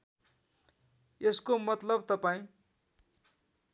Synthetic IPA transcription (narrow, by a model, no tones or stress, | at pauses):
eskomʌt̪lʌbt̪ʌpaĩ